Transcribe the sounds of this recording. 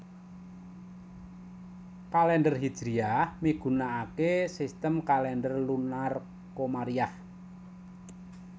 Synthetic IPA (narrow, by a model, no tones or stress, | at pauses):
kalɛndərɦid̥ʒ̥ɾiahmiɡ̥ṳnaːkesist̪əmkalɛndərlunar | komaɾiah